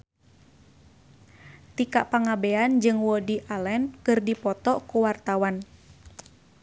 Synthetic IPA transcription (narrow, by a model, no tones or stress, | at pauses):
t̪ikaʔpaŋabɛand͡ʒɨŋwɔdiʔalɛnkɨrdipɔt̪ɔʔkuwart̪awan